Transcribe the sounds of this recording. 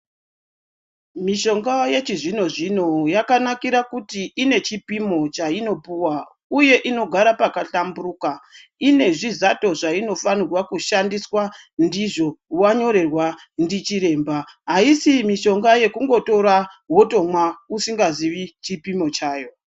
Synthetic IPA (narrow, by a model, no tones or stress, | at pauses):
miʃo̞ŋɡaje̞t͡ʃiʐino̞ʐino̞jakanakiɾakutiːne̞t͡ʃipimo̞t͡ʃaino̞puwa | uje̞ʔino̞ɡʱaɾapakaɬamburuːkaine̞ʐizato̞ʐaino̞fanirwakuʃandiswandiʐo̞waɲo̞ɾe̞rwa | ndit͡ʃiɾe̞ːmbaɦaisimiʃo̞ŋɡaje̞kuŋɡo̞to̞ɾaɦoto̞mwausiŋɡaziʋit͡ʃipimo̞t͡ʃaːjo̞